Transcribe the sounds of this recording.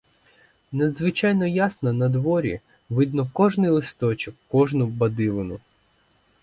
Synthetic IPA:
nɐd̪zʋɪt͡ʃɑjnɔjasnɔnɐd̪ʋɔɾʲḭ | ʋɪd̪nɔkɔʒnɪjlˠɪst̪ɔt͡ʃɪkːɔʒnʊbɐd̪ɪlˠɪnʊ

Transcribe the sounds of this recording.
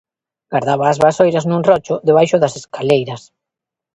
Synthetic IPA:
ɡ̥aɾðaβɐːzβaːsojɾɐznunrɔt͡ʃʊðɪβajʃʊðɐseskalejɾɐs

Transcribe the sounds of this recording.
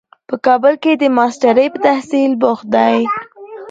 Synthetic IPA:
pəkɑbəlked̪əmɑsʈaɾəjpət̪ahsilbʊxd̪aj

